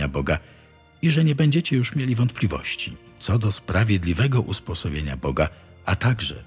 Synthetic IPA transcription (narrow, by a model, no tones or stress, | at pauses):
abɔɡa | iʐɛɲɛbɛɲd͡ʑɛt͡ɕɛjuʂmʲjelʲivɔnt̪̚plʲivɔ̰ɕt͡ɕit̪sɔd̪ɔspɾavʲjɛd̪lʲivɛɡɔʔuspɔsɔbʲjeɲa̰bɔɡa | at̪aɡʐɛ̰